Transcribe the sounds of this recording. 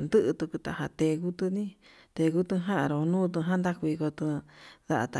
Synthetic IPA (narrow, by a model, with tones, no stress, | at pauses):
nd̪ɨ˦ʔɨ˧t̪u˧ku˧t̪a˧ha˧t̪e˧ku˦t̪ɨ˧nĩ˦ | t̪e˧ɣu˦t̪ɨ˧ɦã˦ʔã˧ɾo˧nũː˦t̪̬ũ˧ɦã˦nd̪a˦ku˧i˧ko˧t̪ɨ̃˧ða˧ʔa˧t̪a˧